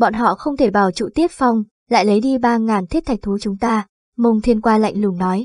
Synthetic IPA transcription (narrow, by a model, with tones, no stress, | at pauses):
ɓɔ̰˧˨nɦɔ̰˧˨xə˧wŋ͡mt̪ʰe˧˩ɓaː˧˩wt͡ɕṵ˧˨t̪i˦˥əp̚fa˨˧˩wŋ͡m | la̰ː˧˨jlə˨˦jɗi˧ɓaː˧ŋaː˨˩nt̪ʰi˦˥t̚t̪ʰa˨˩k̚t̪ʰu˨˦t͡ɕʊ˨˦ŋ͡mt̪aː˧ | mə˧wŋ͡mt̪ʰi˧ənkwaː˧la̰˧˨jŋ̟lɨ˨˧˩əŋnɔ˨˦j